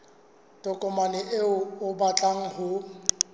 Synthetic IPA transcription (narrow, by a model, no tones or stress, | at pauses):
tʼɔkʼɔmanɛʔeʊʊbat͡ɬʼaŋ̩hʊ